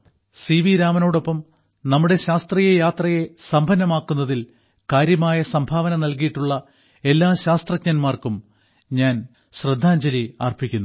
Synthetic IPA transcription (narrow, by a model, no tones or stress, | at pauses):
siʋiɾaːmɐno̞ːɽo̞pːɐm | nɐmːuɽe̞ɕaːst̪rijejaːt̪rɐje̞sɐmbʱɐnːɐmaːkːunːɐðil | kaːɾjɐmaːjɐsɐmbʱaːʋɐnɐnɐlkijiʈːuɭːɐ | e̞lːaːɕaːst̪rɐkɲɐnmaːrkum | ɲaːn | ɕrɐd̪ʱːaːɲd͡ʑɐlia̰ːrpikʲːunːu